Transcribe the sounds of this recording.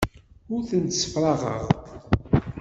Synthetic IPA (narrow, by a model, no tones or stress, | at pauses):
ʊɾθənt̪sə̥fɾˤɑʁə̰ʁ